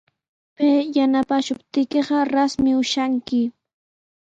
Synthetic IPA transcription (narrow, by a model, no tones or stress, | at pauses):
pejanapaʃʊpt̪ɪkeɢɑɾasmɪʊʃaŋkɪ